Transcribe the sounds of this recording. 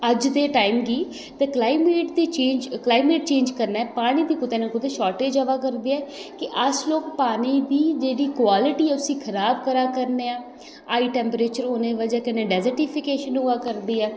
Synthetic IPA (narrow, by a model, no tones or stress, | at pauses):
əd͡ʒd̪eːʈaːimɡiː | t̪eːklaːɪmeːʈd̪iːt͡ʃẽːnd͡ʒklaːɪmeːʈ̚t͡ʃẽːnd͡ʒkəɾnaːɛːpaːɽ̃iːd̪iːkʊt̪eːneːkʊt̪eːʃɔːʈeːd͡ʒəʋaːkəɾd̪eːɛːkɪʔəsloːkpaːɽ̃iːd̪iːd͡ʒeːɽiːkʊwaːlɪʈiːɛːʊsĩːkʰəɾaːbkəɾaːkəɾneːaː | aːiːʈɛːmpɾeːt͡ʃəɾonẽːʋəd͡ʒaːkɪnẽːɖɛːzəɾʈɪpʰɪkeːʃənɦʊaːkəɾd̪iːɛː